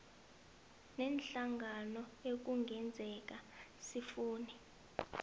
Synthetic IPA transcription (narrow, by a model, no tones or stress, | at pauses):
nɛnɬaŋɡanɔek̬uŋɡʱɛnd͡zʱɛk̬asifuːnɛ